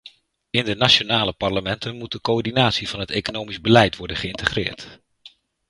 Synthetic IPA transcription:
ɪndənat͡ʃonaːləpɑɹləmɛntənmut̚dəkoɔɹdinaːtsiv̥ɑnɦətejkonowmizbəlɛjtʋɔɹdənχəɪntəχrɪ̰ːɹt

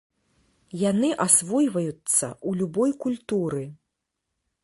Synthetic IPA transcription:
janɨʔasvɔjvɐjut̪sːɐ̰ulʲubɔjkulʲt̪uɾɨ

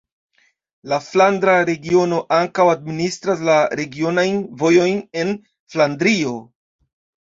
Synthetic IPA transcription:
laflandɾaɾe̞ɡio̞no̞ʔaŋkawadministɾas̬laɾe̞ɡio̞najnvo̞jo̞jne̞n | flandɾio̞

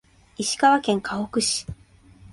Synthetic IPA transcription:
iɕi̥kaβakẽ̞ŋkʰaokɯ̟ɕi̥

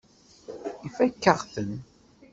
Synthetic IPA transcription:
ifækːəʁθən

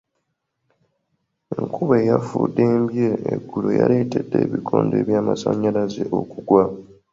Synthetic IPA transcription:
eŋkʰuβeːjafuːdːeːmbjeːɡːuloja̰le̞ːtedːeːβikʰoːnde̞ːβjaːmasaɲːalazeʔokuɡwa

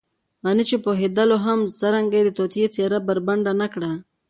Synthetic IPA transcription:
ɣanit͡ʃepoɦed̪əloɦamsəɾaŋɡad̪ət̪ot̪jet͡seɾabaɾbaɳɖanakɽa

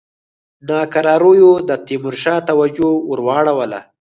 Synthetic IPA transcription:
nɑkaɾɑɾujod̪ət̪imʊɾʃɑːt̪awad͡ʒoʊɾwɑːɽawala̰

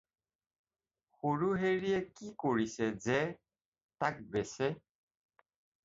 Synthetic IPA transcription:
xoɹuɦeɹiɛkikoɹisɛzɛ | tak̚bɛsɛ

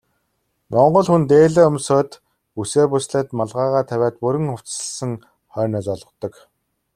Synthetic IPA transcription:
mɔɴɢɞ̆ɮxunt̪eːɮeːɵmsɔːt̪ | useːpʊsɮeːt̪maɮʁaːʁaːt̪ʰæwʲæːt̪̚puɾɘ̆ŋxʊw̥t͡ssə̥̆ɮsə̆ŋ | χœːnɔːt͡sɔɮɞ̆t̪ɞ̆k

